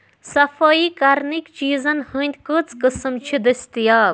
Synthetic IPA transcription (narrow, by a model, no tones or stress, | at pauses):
sɐfʰɐikaɾnikt͡ʃiːzɐnhɨnʲt̪ʲkət͡skəsɨmt͡ʃʰid̪ɨst̪ija